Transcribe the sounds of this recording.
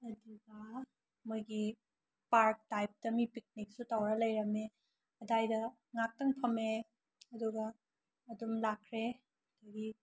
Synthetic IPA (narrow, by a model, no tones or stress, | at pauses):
ɐdiɡɐ | mujɡi | paɾk̚tajp̚tɐmipik̚nik̚sutawɾɐlɐjɾɐme | ɐdajdɐ | ŋak̚tɐŋpʰɐme | ɐduɡɐː | dumlakʰɾe | ɐdɐɡi